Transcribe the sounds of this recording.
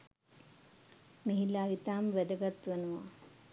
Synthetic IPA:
meɦilaːʋit̪aːmʋɛd̪əɡat̪ʋenuʋa̰

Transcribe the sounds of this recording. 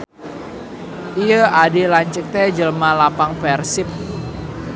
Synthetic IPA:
ijəadelaɲt͡ʃək̚t̪ɛd͡ʒəlmalapaŋpɛrsɪp̚

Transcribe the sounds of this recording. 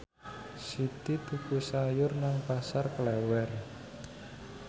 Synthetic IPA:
sit̪it̪ukusajʊrnaŋpasarklɛwɛr

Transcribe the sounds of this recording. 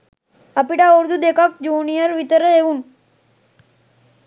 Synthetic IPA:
ɐpiʈauɾd̪ud̪ekak̚d͡ʒuːnijəɾʋit̪əɾəeʋun

